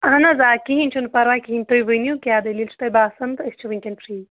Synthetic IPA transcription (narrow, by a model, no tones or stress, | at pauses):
ɐɦɐnɐzaːkiɦinʲt͡ʃʰunpɐɾaːkiɦinʲt̪ojbɐnjukʲaːd̪ɐlilt͡ʃʰt̪ɐjbaːsɐnd̪ɐst͡ʃʰɐʋiŋʲkʲenpʰʂiː